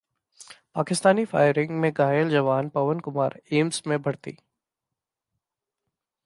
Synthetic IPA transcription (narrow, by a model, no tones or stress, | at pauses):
paːkɪst̪aːnifa̰ːɪɾɪ̃ŋɡmẽɡaːjəld͡ʒɐʋaːnpɐʋənkʊmaːɾeːmsmẽbʱɐɽt̪ḭː